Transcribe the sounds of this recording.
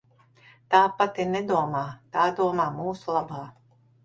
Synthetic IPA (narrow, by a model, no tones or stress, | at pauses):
t̪aːpat̪ined̪uɔmaːt̪aːd̪uɔmaːmuːsulˠabaː